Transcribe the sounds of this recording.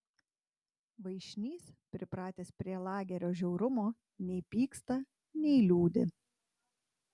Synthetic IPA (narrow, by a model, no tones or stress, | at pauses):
ʋɐɪʃʲnʲiːspʲɾʲɪpɾɑːt̪ʲeːspʲɾʲiɛlˠɑːɡʲɛɾʲoːʒʲɛʊɾʊmoː | nʲɛɪpʲiːkst̪ɐ | nʲɛɪlʲuːd̪ʲɪ̰